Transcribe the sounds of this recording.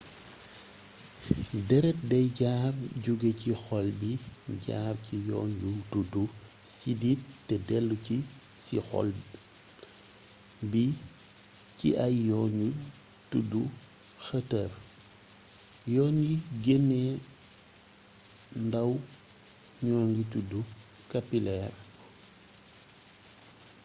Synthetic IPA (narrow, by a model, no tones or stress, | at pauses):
dɛɾɛt̚dɛjɟaːrɟuɡecixɔlbiɟa̰ːrcijɔ̰ːɲɟutudu | sidittːɛdɛlːucisḭxɔ̰l | bi | ciʔɐjjɔːɲɟu | tudu | xətər | jɔːɲɡiɡenːɛ | ndɐw | ɲɔːɲɡitudu | kapilɛr